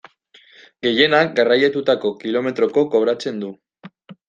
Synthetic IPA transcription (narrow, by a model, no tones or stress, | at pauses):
ɡe̞je̞nak̚ɡarajat̪ut̪ako̞kilo̞me̞t̪ɾo̞ko̞ko̞βɾat͡se̞nd̪u